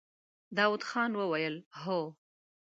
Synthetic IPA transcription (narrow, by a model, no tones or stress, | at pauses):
d̪ɑwud̪xɑnwəwajəlɦo